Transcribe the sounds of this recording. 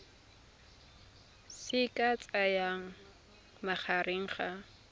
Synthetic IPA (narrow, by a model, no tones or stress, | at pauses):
sɪkʼat͡sʼajaŋ | maχaɾɪŋχa